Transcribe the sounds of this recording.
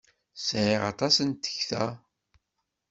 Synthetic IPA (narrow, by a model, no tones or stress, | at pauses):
sʕɪʁɑ̰t̪ˤɑsənt̪ə̥çθæ